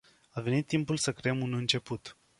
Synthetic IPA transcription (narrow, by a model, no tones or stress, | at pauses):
ave̞nit̪ːimpulsəkɾe̞emunɨnt͡ʃe̞put̪